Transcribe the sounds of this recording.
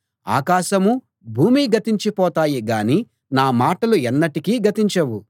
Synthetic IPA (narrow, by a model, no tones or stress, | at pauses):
a̰ːkaːʃɐmu | bʱuːmiɡɐt̪iɲt͡ʃipɔːt̪aːjiɡaːni | naːmaːʈɐluɛnːɐʈikiːɡɐt̪iɲt͡ʃɐwu